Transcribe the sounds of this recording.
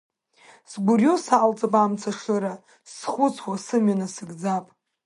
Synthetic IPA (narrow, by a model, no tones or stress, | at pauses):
sɡʷʊrjosalt͡sʼapʼamt͡sʰaʂɨɾa | sχʷʊt͡sʰwasɨmɥanasɨɡd͡zapʼ